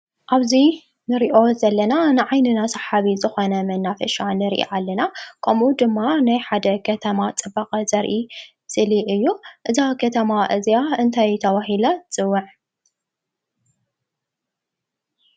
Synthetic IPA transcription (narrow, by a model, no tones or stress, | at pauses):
ʔaβzi | nɨɾiʔo̞zɐlːɐnanɨʕajnɨnasɐħaβizɨxonɐmɐnːafɐʃanɨɾʔḭʔalːɐnakʰɐmud̪ɨmːanajħad̪ɐkʰɐt̪ʰɐmat͡sʼɨbaqʼɐzɐɾʔi | sɨliʔɨjːuʔɨzakʰɐt̪ʰɐmaʔɨzijaɨnt̪ʰajt̪ʰɐβaɦilat͡sʼɨwːɨʕ